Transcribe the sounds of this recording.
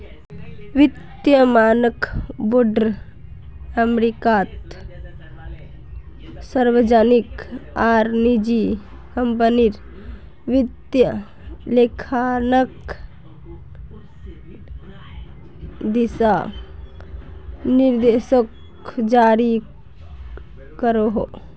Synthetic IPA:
ʋit̪jəmaːnəkboɖəɾ | əmɾikaːt̪ | səɾʋəd͡ʒanikaːɾnid͡ʒi | kəmpəniɾ | ʋit̪jə | lekʰanək | d̪isa | niɾd̪esək | d͡ʒaːɾi | kəɾoɦo

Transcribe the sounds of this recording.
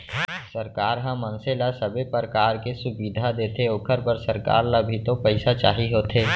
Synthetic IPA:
səɾkaːɾɦə̃mːə̃nselasəbʱepəɾəkaːɾkesʊbiːd̪ʱad̪eːt̪ʰeoːkʰəɾpəɾsəɾka̰ːɾləbʱit̪opəɪsat͡ʃaːɦiɦoːt̪ʰeː

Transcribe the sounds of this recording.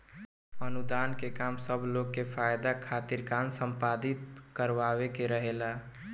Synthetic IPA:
ənud̪ankekamsəbʱloɡ̚kːefʰajd̪akʰaːt̪iɾkansəmpad̪it̪̚kəɾʋawekeɾəɦela

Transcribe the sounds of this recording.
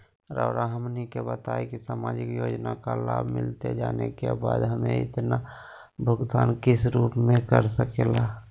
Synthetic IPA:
ɾəʊɾʔaɦəmnikebət̪aekisamaːd͡ʒɪkjoːd͡ʒnakalaːbʱmɪlt̪ed͡ʒaːnekebaːd̪ɦəmẽɪ̰t̪na | bʱʊɡt̪aːnkɪsɾuːpmẽkəɾsəkela

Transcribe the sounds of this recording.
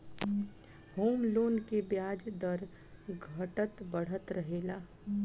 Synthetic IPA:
hoːmloːnkebjaːd͡ʒd̪əɾ | ɡʱɐʈət̪bəɽ̤ət̪ɾəɦeːlaː

